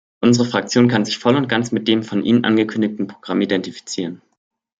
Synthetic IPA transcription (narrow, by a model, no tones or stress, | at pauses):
ʔʊnzəʁəfʁ̥ak̚t͡sjoːnkʰanzɪçfɔlʊnt̚ɡ̥ant͡smɪt̚d̥eːmfɔnʔḭːnənʔa̰nɡəkʰʏndɪk̚tn̩pʁ̥oɡ̥ʁamidɛntifi̥t͡siːʁən